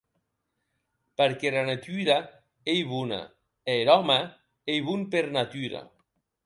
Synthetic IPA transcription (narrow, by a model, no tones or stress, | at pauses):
paɾkelanat̪yɾa | ejβuna̰ | eɾɔma | ejβunpeɾnat̪yɾa̰